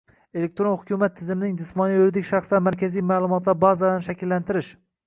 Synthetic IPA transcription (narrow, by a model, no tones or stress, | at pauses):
elek̚ʲt̪ɾonhʊkʲʰumat̪ʰːɪzɪmɪnɪŋd͡ʒɪsmɒnijøɾd̪ɪkʲʃɑχsamæɾkʲʰazijmaːlˠʊmɒt̪lˠaɾbɑzad̪anʃækʲilːænt̪ʰɪɾɪʃ